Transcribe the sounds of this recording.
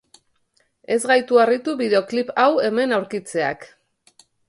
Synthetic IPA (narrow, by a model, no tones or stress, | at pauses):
e̞zɣajt̪uarit̪uβið̞e̞o̞klipawe̞me̞nawɾkit͡se̞a̰k